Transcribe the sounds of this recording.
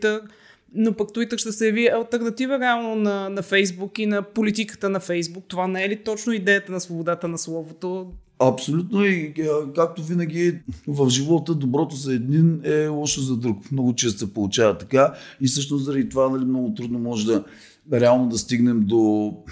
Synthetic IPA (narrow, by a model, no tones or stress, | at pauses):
t̪əɾ | nopɐkt̪uit̪əɾʃt̪ɛsɛjɐviɐlˠt̪ɛɾnɐt̪ivəɾɛalˠnonɐnɐfɛjzbukinɐpolit̪̬ikə̥t̪ənɐfɛjzbuk̚t̪ovanɛɛlit̪ɔt͡ʃnoid̪ɛjət̪ənɐsvobod̪at̪ənɐslˠɔvot̪o | ɐpsolʲut̪noiəkak̚t̪ovinəɡ̟ʲivɐfʒivɔt̪əd̪obɾɔt̪os̬ɐɛd̪ninɛɔʃt̪ozɐd̪ɾukmnɔɡʊt͡ʃɛst̪osɛpolˠut͡ʃavɐt̪ːɐkaifsɤʃ̬t̪noszəɾɐd̪it̪ovanɐlimnɔɡʊt̪ɾud̪nomɔʒɛd̪ɐ | ɾɛalˠnod̪ɐst̪iɡnɛmd̪o